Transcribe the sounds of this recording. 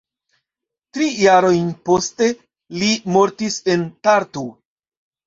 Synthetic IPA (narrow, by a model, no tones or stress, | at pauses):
tɾijaɾo̞jnpo̞ste̞ | limo̞ɾtise̞ntaɾtu